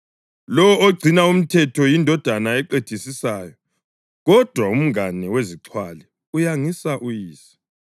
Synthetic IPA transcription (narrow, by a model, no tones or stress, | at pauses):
lɔwɔoɡ͡ǀʱinaum̩tʰɛtʰɔjindʱɔd̥ʱanaɛǃetʰisisaːjɔ | ɣɔd̥ʱwaum̩ŋanɛweziǀʰwalɛ | ujaŋisaʔujiːsḁ